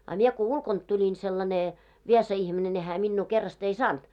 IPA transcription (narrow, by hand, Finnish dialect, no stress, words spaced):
ɑ mie ko ulkont tulʲin selːɑne ʋiesɑ ihmine ne hæː minːuː kerːɑst ei sɑːnt